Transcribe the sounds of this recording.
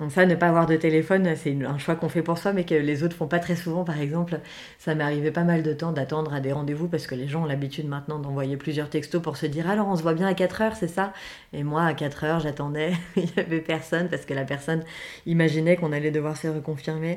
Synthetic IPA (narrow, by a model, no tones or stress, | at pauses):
sanəpaːvwaʁd̪ət̪elefɔnsɛynɛ̃ʃwakɔ̃fɛpuʁswamɛkəlezot̪χfɔ̃pat̪χɛsuvɑ̃paʁɛɡzɑ̃pl | samaʁivɛpamald̪ət̪ɑ̃d̪at̪ɑ̃d̪ʁad̪eʁɑ̃d̪evup̬aʁsə̥kəleʒɑ̃ɔ̃labit̪yd̪mɛ̃t̪nɑ̃d̪ɑ̃vwajeplyzjœʁt̪ɛkst̪opuʁsəd̪iʁalɔʁɔ̃s̬əvwabjɛ̃akat̪χœʁsɛsa | emwaːkat̪χœʁʒat̪ɑ̃d̪ɛiljavɛpɛʁsɔnpaʁsə̥kəlapɛʁsɔnimaʒinɛkɔ̃nalɛd̪əvwaʁsəʁəkɔ̃fiʁme